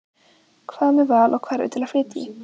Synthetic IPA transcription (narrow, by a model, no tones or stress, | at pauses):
kʰv̥aːmɛvaːlʔɔkʰvaːɾʉ̰ːt̪ʰːɪlafliːt̪ḭ